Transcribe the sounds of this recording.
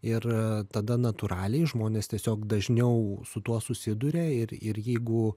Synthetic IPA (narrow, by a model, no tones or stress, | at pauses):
ɪrt̪ɐd̪ɐnɐt̪ʊɾɑːlʲɛɪʒmoːnʲeːst̪ʲiɛsʲoːkd̪ɐʒʲnʲɛʊsʊt̪uɔsʊsʲɪd̪ʊɾʲeːɪrɪrjɛɪɡʊ